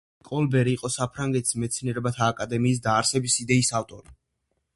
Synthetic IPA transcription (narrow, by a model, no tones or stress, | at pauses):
kʼɔlbɛɾiːqʼɔsapʰɾaŋɡɛt̪ʰi̥smɛt̪sʰniɛɾɛbat̪ʰaːkʼad̪ɛmiːs̬d̪aːɾsɛbisid̪ɛisaft̪ʼɔɾi